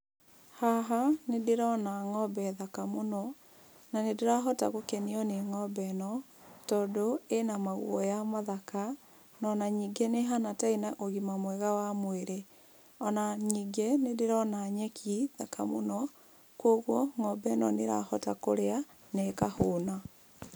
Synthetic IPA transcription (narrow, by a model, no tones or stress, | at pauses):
haɦanedeɾɔnaŋɔbɛðakamonɔ | nanedeɾaɦɔta̰ɣokeniɔneŋɔbɛnɔ | tɔːdoenamaɣṵɔ̰jamaðaka | nɔnaɲiɡeneɦanatainaʔoɣimamwɛɣawamweɾe | ɔnaɲiːɡenedeɾɔnaɲɛkʰiðaka̰mo̰nɔ | kwoɣwɔŋɔbɛnɔneɾa̰hɔtakoɾea | nɛkahoːna